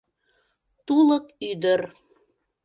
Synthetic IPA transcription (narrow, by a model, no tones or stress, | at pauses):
t̪uləkyd̪ər